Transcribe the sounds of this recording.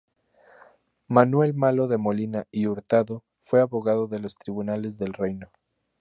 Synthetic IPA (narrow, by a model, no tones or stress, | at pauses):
manwe̞lmalo̞ðe̞mo̞linaiuɾt̪aðo̞ | fwe̞aβo̞ɣaðo̞ðe̞lo̞st̪ɾiβunale̞zðe̞lre̞jno